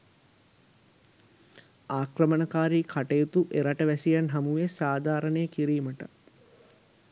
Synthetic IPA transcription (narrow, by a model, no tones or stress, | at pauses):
aːkrəmənəkaːɾiːkʰaʈejut̪uʔeɾaʈəʋæsijanɦamuʋesaːd̪ʱaːɾənəjəkiɾiːməʈə̰